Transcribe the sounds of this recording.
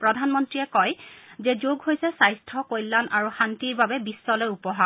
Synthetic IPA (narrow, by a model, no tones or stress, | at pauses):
pɹɔdʱanmɔntɹijɛkɔjzɛzoɡɦojsɛsajstʰɔkojlːanʔaɹuxantiɹbabɛbisːɔlɔjupɔɦa